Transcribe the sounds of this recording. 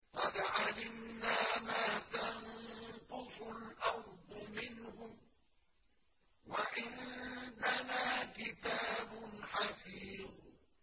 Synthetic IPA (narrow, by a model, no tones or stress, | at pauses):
qɑd̪ʕalɪmnaːmaːt̪anqʊsʊlʔɑɾˤd̪ˤʊmɪnhʊm | waʔɪnd̪anaːkɪt̪aːbʊnħafiːð